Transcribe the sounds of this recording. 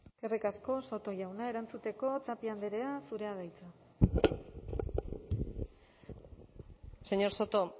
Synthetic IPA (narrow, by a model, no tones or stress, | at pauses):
kerikasko̞so̞t̪o̞ʝawnae̞ɾant͡sut̪e̞ko̞t͡sapiand̪eɾe̞asuɾe̞að̞ajt͡sa | seɲo̞ɾsot̪o